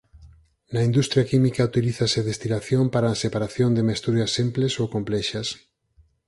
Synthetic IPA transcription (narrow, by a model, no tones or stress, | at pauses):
nɐind̪ust̪ɾjakimikaut̪iliθaseaðest̪inaθjompaɾaːsepaɾaθjond̪ɪmest̪uɾjɐsemplesowkomplɛʃɐs